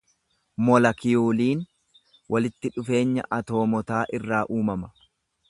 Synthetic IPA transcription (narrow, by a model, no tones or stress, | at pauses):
mɔlɐkɪjuːliːn | wʔɐlɪt̪ːɪᶑʊfe̞ːɲːɐ̰ʔɐt̪o̞ːmɔt̪aːʔɪrːaːʔuːmɐmɐ̥